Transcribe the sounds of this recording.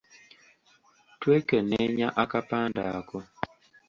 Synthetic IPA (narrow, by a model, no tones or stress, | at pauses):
twekənɛɲaʔakapandaakɔ